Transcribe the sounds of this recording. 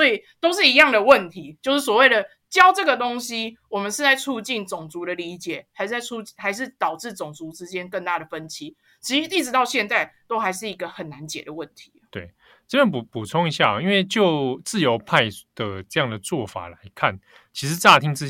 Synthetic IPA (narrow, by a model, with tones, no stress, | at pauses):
sɔ˧˥i˨˩t̪o˥ʊʂ̬ɻ̩˥˩i˧˦jɑ˥˩ŋd̪ə˩wə˥˨nt̪ʰi˨˧˦t͡ɕjo˥˧ʊʂɻ̩˥˩swo˨˩we˥˩ɪd̪ə˩ | t͡ɕjɑ˦˥ʊʈ͡ʂɤ˥˩ɡə˩t̪o˥ŋɕi˥wɔ˨˩mə˨˦nʂ̬ɻ̩˥˧t͡sa˥˧ɪʈ͡ʂʰu˥˧t͡ɕi˥˩nt͡sʊ˨˩ŋt͡su˧˥ɾə˨li˧˥t͡ɕjɛ˨˩˦xa˧ɪʂ̩˥˩a˥˩ɪu˥˧t͡ɕxa˧˥ɪʂ̬ɻ̩˥˩t̪ɑ˨˩ʊʈ͡ʂɻ̩˥˩t͡sʊ˨˩ŋt͡su˧˥t͡sɻ̩˥t͡ɕjɛ˥nkə˥˧ŋt̪a˥˩ɾə˩fə˦nt͡ɕʰi˥ | t͡ɕʰi˧˥i˥˩ʈ͡ʂɻ̩˧˥t̪ɑ˥˧ʊɕjɛ˥˧nt͡sa˥˩ɪt̪o˥ʊxa˧˥ɪʂ̬ɻ̩˥˩i˧˥ɡə˧xə˨˩nːa˧˦nt͡ɕjɛ̰˨˩d̪ə˩wə˥˩nt̪ʰi̥˨˦t̪we˥˩ɪ | t͡spja˥˨npu˨pu˨˩t͡sʰo˥ŋi˧˥ɕja̰˥˨i˥nwe˥˧ɪt͡ɕjo˥˧ʊt͡sɹ̩˥˩jo˧˥ʊpʰa˥˧ɪd̪̥ə˩ʈ͡ʂɤ˥˧jɑ˥˨˩ŋd̪ə˩t͡swɔ˥˩fa̰˨˩la˧˦ɪkʰa̰˥˩n | t͡ɕʰi˧˥ʂɻ̩˧˥t͡sa˥˧t̪ʰi˥ŋt͡s̩˥˩